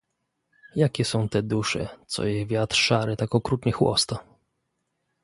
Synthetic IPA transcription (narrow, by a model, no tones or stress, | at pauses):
jakʲɛsɔ̃w̃t̪ɛd̪uʂɛ̰t̪sɔ̰jɛvʲjat̪ɾʂaɾɨt̪akɔkɾut̪ɲɛxwɔ̰st̪a